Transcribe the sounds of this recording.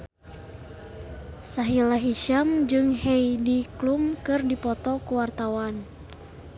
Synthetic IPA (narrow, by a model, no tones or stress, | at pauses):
saɦilaɦiʃamd͡ʒɨŋhejdiklumkɨrdipɔt̪ɔkuwart̪awan